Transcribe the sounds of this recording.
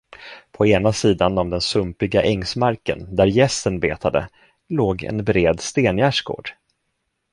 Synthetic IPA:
pʰɔeːnasiːd̪anɔvd̪ɛnsɵmpɪɡaʔɛŋsmaɾkə̰nd̪æɾjɛsənbeːt̪ʰad̪ə̰ | loːɡɛ̰nbɾeːd̪st̪eːnjæːʂɡo̰ːɖ̥

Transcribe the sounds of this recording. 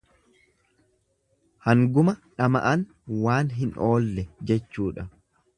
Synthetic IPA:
hɐŋɡʊmɐᶑɐmɐ̰ʔɐn | waːnɦɪno̞ːlːɛd͡ʒɛt͡ʃːuːᶑɐ

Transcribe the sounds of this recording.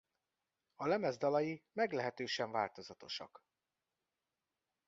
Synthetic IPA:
ɒlɛmɛzd̪ɒlɒjimɛɡlɛɦɛt̪øːʃɛɱva̰ːlt̪o̞zɒt̪o̞ʃɒ̰k

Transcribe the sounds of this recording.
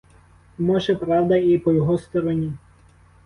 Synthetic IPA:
mɔʒɛpɾɑwd̪ɐipɔjɔɦɔst̪ɔɾɔnʲi

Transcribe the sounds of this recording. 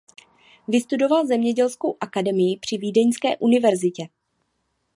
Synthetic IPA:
vɪst̪udo̞valzɛmɲɛɟɛlskowʔakadɛmɪjɪpr̝̥ɪviːdɛɲskɛːʔunɪvɛɾzɪcɛ

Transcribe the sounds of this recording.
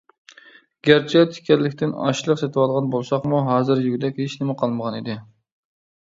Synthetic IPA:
ɡ̥ʲæɾt͡ʃʰɛt̪ʰɪ̥kʲʰɛlːɪkʲt̪ʰɪnɑ̰ʃlˠəqset̪ʰɨwɑlˠʁɑnbolˠsɑχmuɦɑːzɨɾjyɡʲd̪ɛkʲheʃnɪmɛqʰɑlˠməʁɑnid̪ɪ

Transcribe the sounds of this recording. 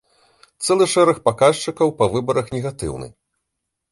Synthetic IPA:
t̪sɛlˠɨʂɛɾɐxpakaʂt͡ʂɨkɐwpɐvɨbɐɾɐxnʲɛɣat̪ɨ̰wnɨ̰

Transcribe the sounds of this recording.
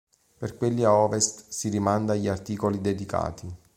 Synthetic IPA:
perkwelːiaɔːvest̪siɾimand̪aʎiart̪iːkolid̪ed̪ika̰ːt̪i

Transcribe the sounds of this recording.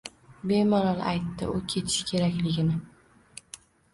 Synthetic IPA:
be̞manɒlˠa̰jt̪ːɪ̰ʔʊkʲʰe̞t̪ʰɪ̥ʃɪ̥kʲʰe̞ɾakʲlɪɡʲɪnɪ

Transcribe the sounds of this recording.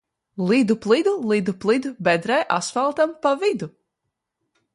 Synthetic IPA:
lˠid̪uplˠid̪ulˠid̪uplˠid̪ubɛd̪ɾajʔa̰sfalˠt̪ampavid̪u

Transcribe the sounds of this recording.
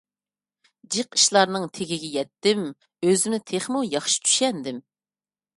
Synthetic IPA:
d͡ʒiqi̥ʃlˠɑɾnɨŋt̪ʰeɡʲɪɡʲɛjɛt̪ːɪm | øzɪmnɪt̪ʰeχmujɑχʃi̥t͡ʃʰy̥ʃɛnd̪ɪm

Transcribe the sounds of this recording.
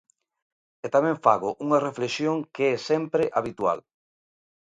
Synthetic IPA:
et̪amɛ̃ɱfaɣʊʔuŋɐreflesjoŋkeɛsɛmpɾɪʔaβit̪wa̰l

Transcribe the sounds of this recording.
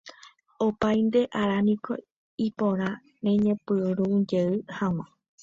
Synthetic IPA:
opajnd̪e̞ʔaɾanĩko̰ | ipõɾ̃ã | nẽɲẽpɨɾud͡ʒeɨhãw̃ã

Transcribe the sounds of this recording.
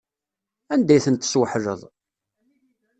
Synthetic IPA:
ænd̪æjθənt̪ːə̥swəħɾə̰ðˤ

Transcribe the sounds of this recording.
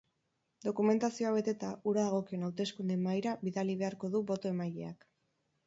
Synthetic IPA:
d̪o̞kume̞nt̪asioaβ̞e̞t̪e̞t̪aʔuɾaðaɣ̞o̞kio̞nawt̪e̞skund̪emajɾaβiðaliβ̞e̞aɾko̞ðuβo̞t̪o̞e̞majʎe̞̰ak

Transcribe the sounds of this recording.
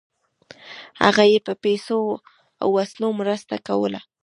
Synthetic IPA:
ha̰ɣajepəpeso | a̰wːaslomɾəst̪akawə̰la̰

